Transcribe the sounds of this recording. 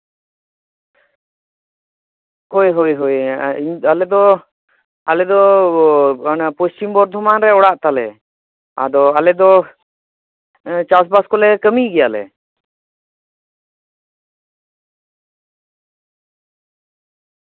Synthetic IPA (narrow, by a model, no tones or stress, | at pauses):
kɔjɦɔjɦɔjalɛd̪ɔ | alɛd̪ɔ | napɔst͡ʃimbɔɾd̪ʱɔmanɾɛɔɽaʔt̪alɛ | a̰d̪ɔalɛd̪ɔ | t͡ʃas̬baskɔlɛkəmiʔɡɛjalɛ̰